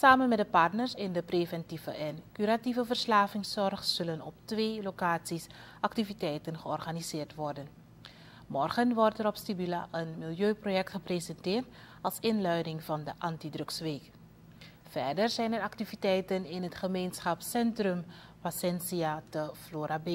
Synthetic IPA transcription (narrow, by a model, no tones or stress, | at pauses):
saːmənmɛtdəpɑɹtnəɹsɪndəpreːvɛntivəʔɛnkyɾativəvəɹslaːvɪŋsɔrχsɵlənɔp̚tʋeːlokaːsisʔɑk̚tivitɛjtənχəɔrχanizɪːɹtʋɔɹdən | mɔrχənʋɔrtəɾɔpstibyla̰ʔənmɪlˠjøːprojɛk̚tχəprezɛntɪːɹt | ɑlˠsɪnlœɥdɪŋvɑndəʔɑntidrɵksʋeːk | fɛɹdəɹzɛjnərɑktivitɛjtənɪnɦətχəmejnsχɑpsɛntrɵm | fasɛnsiatəfloːɾabe